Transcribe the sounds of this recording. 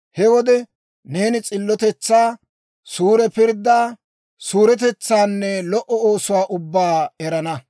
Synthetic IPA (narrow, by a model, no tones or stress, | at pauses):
hɛwɔd̪ɛ | ne̞ːnɪt͡sʼɪlːɔt̪ɛt͡sːaː | suːɾɛpɪɾd̪ːaː | suːɾɛt̪ɛt͡sːaːnːɛlɔʔɔoːsʊwaːʔʊbːaːɛɾɐnɐ